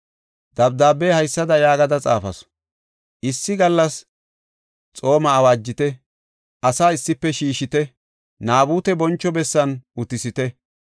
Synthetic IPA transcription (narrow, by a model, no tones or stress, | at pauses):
d̪̥ɐbd̪aːbːeːhɐjsːɐd̪ɐjaːɡɐd̪ɐt͡sʼa̰ːfɐ̰s | ʔɪsːɪɡɐlːɐs | t͡sʼo̞ːmɐːwaːd͡ʒːɪt̪ɛ | ʔɐsaːɪsːɪpːɛʃiːʃɪt̪ɛ | naːbuːt̪ɛbɔnt͡ʃːɔbɛsːɐnʔʊt̪ɪsɪt̪ɛ